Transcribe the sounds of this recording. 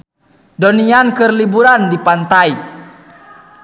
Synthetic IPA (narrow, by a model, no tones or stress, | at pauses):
dɔniankɨrlibuɾandipant̪ai